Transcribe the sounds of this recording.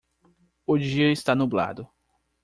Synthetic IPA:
od͡ʒiɐɪst̪anubla̰d̪ʊ

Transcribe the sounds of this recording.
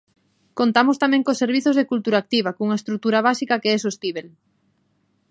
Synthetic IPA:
kont̪amost̪amɛ̃ŋkoseɾβiθozðekult̪uɾaːk̚t̪iβ̞akuŋaest̪ɾuk̚t̪uɾaβ̞asikakeɛs̬oest̪iβel

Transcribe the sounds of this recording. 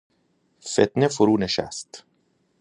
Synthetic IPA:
fet̪nefoɾuːneʃæ̰st̪

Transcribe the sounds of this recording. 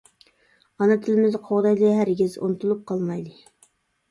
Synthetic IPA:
ɑnɑt̪ʰɪlɪmɪzqʰoʁd̪ɑjd̪ɪɦæɾɡʲizo̰nt̪ʰulˠup̚qʰɑlˠmɑjd̪ɨ

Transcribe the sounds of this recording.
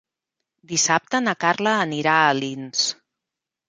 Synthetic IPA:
d̪isap̚t̪ənəkarləːniɾaəlins

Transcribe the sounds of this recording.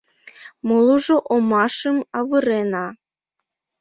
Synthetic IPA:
mɤlˠuʒoʔomɑʃɤmɑβɯɾenɑ

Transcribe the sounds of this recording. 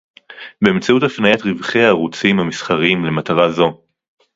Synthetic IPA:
beːmt͡sautafnajatʁivχeaːʁut͡simhamisχaʁimle̞mataʁazo̞

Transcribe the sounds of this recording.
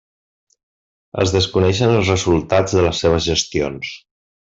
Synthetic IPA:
ə̰zðəskunɛʃənəlˠzrəzulˠt̪ad͡zðələsːeβ̞əzʒəst̪ions

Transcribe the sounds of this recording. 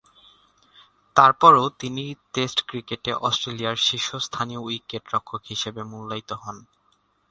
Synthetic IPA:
t̪aɾpɔɾot̪iniʈesʈkɾikeʈeʔɔsʈɾelijaɾʃiʃost̪ʰanioikːeʈɾɔkʰːokɦiʃebemulːajt̪oɦɔn

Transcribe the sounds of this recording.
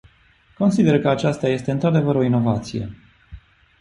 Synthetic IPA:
ko̞nsid̪e̞rkəat͡ʃast̪aje̞st̪e̞ɨnt̪ɾad̪e̞vəɾo̞ino̞vat̪sije̞̰

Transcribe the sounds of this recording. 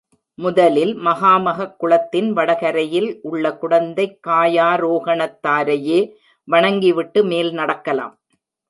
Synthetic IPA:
mʊðɐlɪlmɐɣaːmɐɣɐkːʊɭɐt̪ːɪnʋɐɽɐɣɐɾɐjɪlʔʊɭːɐkʊɽɐnd̪ɐɪkːaːjaːɾoːɣɐɳɐt̪ːaːɾɐjeː | ʋɐɳɐŋɡɪʋɪʈːɯmeːlnɐɽɐkːɐla̰ːm

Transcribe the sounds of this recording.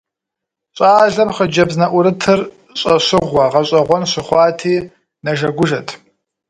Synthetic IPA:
ɕʼaːɮɐmχəd͡ʒɐbznɐʔʷʊɾɨtʰɨr | ɕʼɐɕʷɪʁʷːɐʁɐɕʼɐʁʷɔnɕʷɪχʷɑːtʰiː | nɐʒɐɡʷʊʒɐtʰ

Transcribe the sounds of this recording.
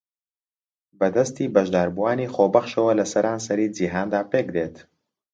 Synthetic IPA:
bɐd̪ɐst̪iːbɐʒd̪aːɾbuwaːniːxoːbɐxʃɐwɐlɐsɐɾʔaːnsɐɾiːd͡ʒiɦaːnd̪aːpeːkd̪eːt̪ʰ

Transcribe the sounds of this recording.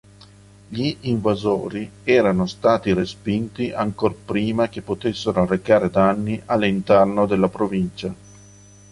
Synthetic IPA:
ʎiːɱvazoːɾiɛːɾanost̪aːt̪iɾespint̪iʔaŋkorpɾiːmak̟epːot̪esːeɾorekaːɾed̪anːiʔalːint̪ɛrnod̪elːapɾovint͡ʃa

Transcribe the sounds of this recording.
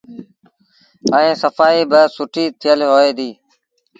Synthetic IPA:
əĩːsəfaːiːbəsʊʈʰiːt̪ʰɪjəlːɦoːeːd̪iː

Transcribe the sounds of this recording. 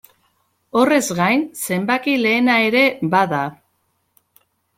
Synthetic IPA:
o̞re̞zɣajnse̞mbakile̞ːnae̞ɾe̞baða

